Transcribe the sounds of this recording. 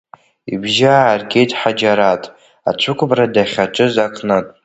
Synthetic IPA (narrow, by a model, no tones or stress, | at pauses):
ibʒaːrɡʲe̞jtʼħad͡ʒaɾatʼ | at͡ʃʷʰʊkʷʰʼbradaχʲaʈ͡ʂʷʼɨzakʰnatʼ